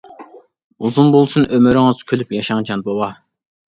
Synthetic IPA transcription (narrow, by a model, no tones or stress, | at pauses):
uzunbolˠsunʔømyɾɪŋɨz̥kʲʰølypjɑʃɑŋd͡ʒʰɑnbowɑ